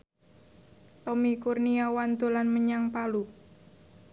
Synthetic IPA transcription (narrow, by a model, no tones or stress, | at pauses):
t̪ɔmikurniawant̪ulanməɲaŋpalu